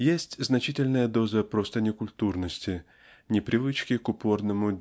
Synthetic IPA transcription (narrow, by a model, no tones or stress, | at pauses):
jesʲtʲznɐt͡ɕitʲɪlʲnəjəd̪o̞zəpɾo̞st̪ənʲɪkʊlʲt̪urnəsʲtʲɪ | nʲɪpɾʲɪvɨt͡ɕkʲɪkʊpo̞rnəmʊdʲ